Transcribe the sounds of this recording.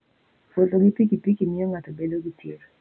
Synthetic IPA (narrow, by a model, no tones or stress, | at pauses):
fotʼoɡipikipikimɪjoŋatobedoɡitjiɾ